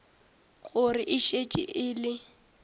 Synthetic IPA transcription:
ɣʊrɪʔɪʃet͡ʃʼɪ̰ʔɪːlɪ

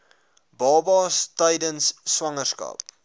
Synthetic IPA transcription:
bɑːbɑːstəjdənsːwɐŋərskɐ̰p̚

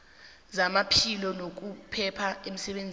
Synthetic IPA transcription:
zamapʰilɔnok̬upʰɛpʰaem̩sɛɓend͡zʱ

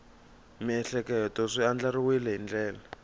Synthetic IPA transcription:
miɛɬɛkɛtɔʂiand͡ɮariwilɛɦind͡ɮɛːla

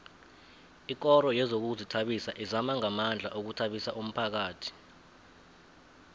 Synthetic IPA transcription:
ik̬ʼɔɾɔjɛzok̬uzitʰaɓisaʔizamaŋamand͡ɮʱa̰ʔok̬utʰaɓisaʔum̩pʰak̬aːtʰi̥

